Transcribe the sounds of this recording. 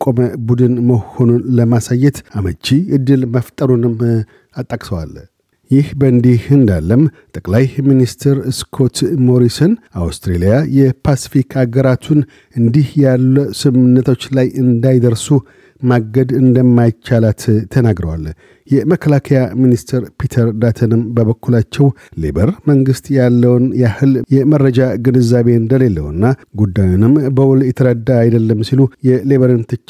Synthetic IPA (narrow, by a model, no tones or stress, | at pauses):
kʼoməbud̪ɨnməho̞nunləmasajːɛt̪aməd͡ʒiɨd̪ːɨlməft̪ʼəɾunɨm | at̪ʼːəkʼsəwa̰l | jɪhbəɨnd̪ihɨnd̪alːəm | t̪ʼəkʼlajminist̪ʰɾɨskʰo̞t̪mo̞ɾisonawst̪ɾelijajɛpʰasi̥fikʰaɡəɾat̪ʰun | ɨnd̪ihjalːusɨmɨnːət̪ʰo̞t͡ʃːlajɨnd̪ajd̪əɾsu | maɡəd̪ɨnd̪əmːajt͡ʃːalat̪t̪ʰənaɡɾəwa̰l | jɛməkʰːəlakʰəjaminist̪ʰəɾpʰit̪ʰəɾd̪at̪ʰənɨmbəβəkːulat͡ʃːɛwle̞̰bəɾməŋɡɨst̪jalːəwnjɛahɨljɛmərːəd͡ʒaɡɨnɨzaβe̞ɨnd̪əle̞lːə̰wɨnːaɡud̪ːajunɨmbəwʊljɛt̪ʰəɾəd̪ːaːjd̪əlːəmːsilujɛleβəɾɨnt̪ʰɨt͡ʃː